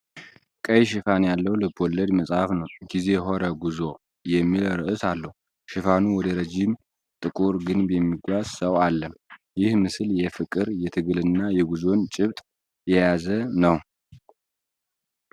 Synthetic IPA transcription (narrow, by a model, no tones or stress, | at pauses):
kʼəjʃɪfanjalːəwlɨbʰɔlːəd̪məsʼhafnəwɡize̞ɦo̞ɾəɡuzo | jɛmːilɾəʔɨsalːəh | ʃɪfanuwɔd̪əɾəd͡ʒim | t̪ʼɨkʼuɾɡɨnbɛmːiɡʷazsəwalːəmjɪhmɨsɨljɛfɨkʼɨɾjɛt̪ʰɨɡɨlɨnːajɛɡuzo̞nt͡ʃʼɪβt̪ʼ | jɛjazənəw